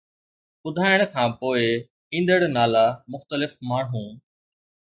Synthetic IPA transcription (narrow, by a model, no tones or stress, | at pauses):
ɓʊd̪ʱaːjəɽ̃kʰãːpoːɪ | ĩːnd̪əɽnaːlamʊxt̪əlɪfmaːɳ̤ɦũː